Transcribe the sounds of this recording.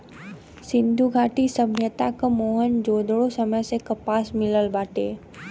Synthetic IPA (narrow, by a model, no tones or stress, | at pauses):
sɪ̃nd̪ʱuɡʱaːʈisəbʱjət̪akmoːɦənd͡ʒoːd̪ɽosəməjsekɐpaːsmɪləlbaːʈḛː